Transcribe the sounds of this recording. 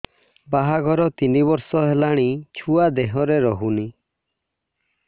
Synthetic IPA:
baɦaɡʱɔɾɔt̪inibɔɾsɔɦelaɽ̃it͡ʃʰuad̪eɦɔɾeɾɔɦuni

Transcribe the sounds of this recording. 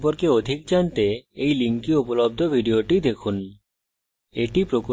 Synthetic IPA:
poɾkeod̪ʱik̚d͡ʑant̪eejliŋkiupolob̚d̪ʱobʱiɖioʈid̪ekʰun | eʈipɾok

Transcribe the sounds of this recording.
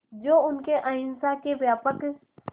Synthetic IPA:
d͡ʒoːʊnkeʔãːɪnsakebjaːpək

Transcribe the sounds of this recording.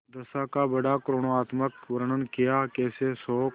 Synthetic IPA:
d̪əsaːkaːbəɽaːkɾoːnoːaːt̪məkʋəɾəɳənkɪjaːkeːseːsoː

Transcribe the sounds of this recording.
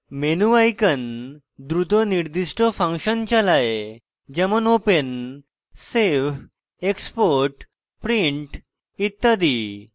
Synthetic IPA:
menuʋajkən | d̪ɾut̪ɔniɾd̪iʂʈɔfãŋkɕənt͡ɕalae | d͡ʑəmənopən | seʋ | ekspoɾʈ | pɾiɳʈ | it̪ːad̪i

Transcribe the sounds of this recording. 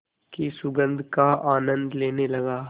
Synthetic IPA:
kisʊɡə̃nd̪kaaːnə̃nd̪leːnelɐɡaː

